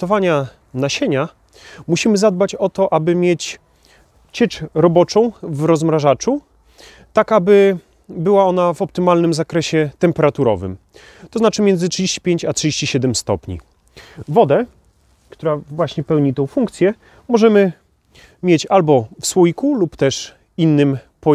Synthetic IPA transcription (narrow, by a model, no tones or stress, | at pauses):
t̪ɔvaɲa | naɕeɲa | muɕimɘzad̪̚bat͡ɕɔt̪ɔʔabɘmʲjet͡ɕ | t͡ɕɛt͡ʂɾɔbɔt͡ʂɔ̃w̃vɾɔzmɾaʐat͡ʂu | t̪akabɘ | bɘwaɔnavɔp̚t̪ɘmalnɘmzakɾɛɕɛt̪ɛmpɛɾat̪uɾɔ̰vɘ̰m | t̪ɔznat͡ʂɘmʲjɛnd̪zɘtʂɨd͡ʑeɕt͡ɕi̥pʲjeɲt͡ɕatʂɨd͡ʑeɕt͡ɕiɕɛd̪ɛmst̪ɔpɲḭ | vɔd̪ɛ | kt̪uɾavwaɕɲɛpɛwɲit̪ɛ̃w̃fuŋk̚t̪sʲjɛ | mɔʐɛmɘ | mʲjet͡ɕalbɔfswujkulupt̪ɛʂ | inːɘm | pɔ